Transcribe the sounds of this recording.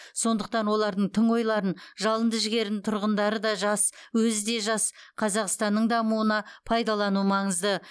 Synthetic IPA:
so̞nd̪əq̚t̪ɑnwo̞lˠɑɾd̪əɴt̪ʰəɴo̞jlˠɑɾənʒɑlˠənd̪əʒɪɡʲe̞ɾd̪ɪnt̪ʰʊɾʁənd̪ɑɾəd̪ɑʒɑswɵzɪd̪e̞ʒɑsqʰɑzɑqst̪ɑnːəɴd̪ɑmuənɑpʰɑjd̪ɑlˠɑnumɑɴəzd̪ə

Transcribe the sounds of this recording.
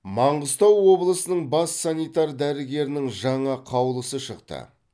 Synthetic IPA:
mɑɴʁəzt̪ɑwːo̞blˠəsənəɴbɑsːɑnijt̪ɑɾd̪æɾɪɡʲe̞ɾɪnɪŋʒɑɴɑqʰɑwlˠəsəʃəqt̪ə̰

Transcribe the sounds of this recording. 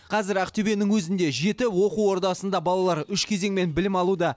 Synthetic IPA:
qʰɑzɪɾæqt̪ebe̞nɪŋwɵzɪnd̪e̞ʒe̞t̪ɪwo̞quwwo̞ɾt̪ɑsənd̪ɑbɑlˠɑlˠɑɾʏʃkʲʰe̞zeŋme̞nbɪlɪmɑlˠud̪ɑ

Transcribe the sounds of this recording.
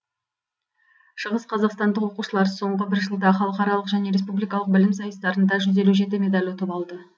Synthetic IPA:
ʃəʁəsqʰɑzɑqst̪ɑnd̪əqwo̞quʃəlˠɑɾso̞ɴʁəbɪɾʒəlˠd̪ɑχɑlˠəqɑɾɑlˠəqʒæne̞ɾe̞spublijkɑlˠəq̚bɪlɪmsɑjəst̪ɑɾənd̪ɑʒʏze̞luʒe̞t̪̬ɪme̞d̪ɑlʲwo̞t̪əpɑlˠd̪ə

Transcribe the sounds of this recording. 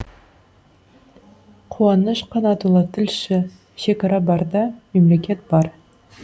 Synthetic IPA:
qʰuɑnəʃqʰɑnɑt̪ulˠət̪ʰɪlʃɪ | ʃe̞kɑɾɑbɑɾd̪ɑmemlekʲe̞t̪̚b̥ɑɾ

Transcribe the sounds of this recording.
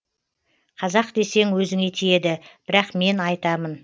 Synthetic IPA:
qʰɑzɑq̚d̪e̞se̞ŋwɵzɪŋe̞t̪ʰije̞d̪ɪb̥ɪɾɑqme̞nɑjt̪ɑmən

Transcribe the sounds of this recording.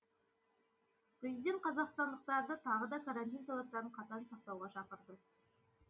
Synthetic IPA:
pɾʲezijd̪e̞nt̪̚qʰɑzɑqst̪ɑnd̪əq̚t̪ɑɾd̪ət̪ʰɑʁəd̪ɑkʰaɾant̪ijnt̪ʰolˠɑt̚t̪ɑɾəɴqʰɑt̪ɑnsɑq̚t̪ɑwʁɑʃɑqəɾd̪ə

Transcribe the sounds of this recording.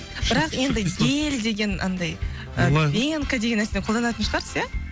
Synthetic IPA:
b̥ɪɾɑqje̞nd̪ɪjeld̪e̞ɡʲe̞nɑ̰nd̪ɑj | əbeŋɪnkəd̪eɡʲenːæsɪneqʰolˠd̪ɑnɑt̪ənʃəʁɑɾsəsja

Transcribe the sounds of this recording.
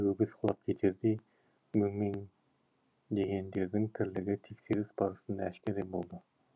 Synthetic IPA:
ɡɵɡʲɪsqʰlˠɑp̚kʲʰet̪ʰeɾd̪ɪ | mymɪn | d̪ejʲend̪eɾd̪ɪŋt̪ʰɪɾlɪɡʲɪt̪ʰekʲseɾɪsbɑɾɯsɨnd̪ɑæʃkʲæɾebolˠd̪ɨ

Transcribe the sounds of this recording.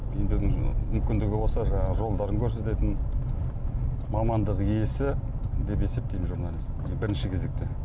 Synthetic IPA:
bembɪd̪ɪŋmʏmkʲɪnd̪ɪɡʲɪbo̞lˠsɑʒɑɴɑʁəʒo̞lˠd̪ɑɾəŋkʲʰɵɾse̞t̪e̞t̪ɪn | mɑmɑnd̪əqije̞sɪ | d̪e̞pe̞se̞p̚t̪ejmɪnʒuɾnalʲist̪bɪɾɪnʃɪkʲʰe̞ze̞k̚t̪e

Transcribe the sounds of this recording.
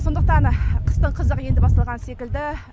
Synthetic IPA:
so̞nd̪əq̚t̪ɑnqʰə̥st̪əɴqʰəzəqje̞nd̪ɪbɑst̪ɑlˠʁɑnse̞kʲɪld̪ɪ

